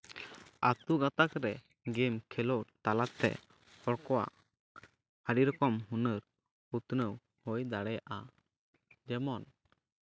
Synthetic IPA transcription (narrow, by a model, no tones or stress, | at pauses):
at̪uɡat̪akɾɛ | ɡɛmkʰɛlɔt̪alat̪ɛ̰ | hɔɽkɔwa̰ʔ | haɾiɾɔkɔmɦunəɾ | ut̪nəw | hɔjd̪aɽɛjaʔa | d͡ʒɛmɔn